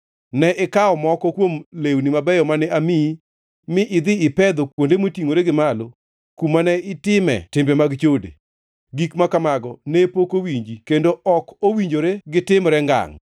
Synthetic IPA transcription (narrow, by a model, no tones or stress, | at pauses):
nɛʔɛkaɔmɔkɔkwomlewnimabɛjɔmanɛami | mɪʔɪd̪ɪɪpɛd̪okwondemotiŋoɾeɡɪmalo | kumanɛɪtɪmɛ̰tɪmbɛmaɡt͡ʃodḛ | ɡikmakamaɡɔnɛpokowiɲd͡ʒikendoɔkowiɲd͡ʒoɾeɡɪtɪmɾɛŋɡa̰ŋ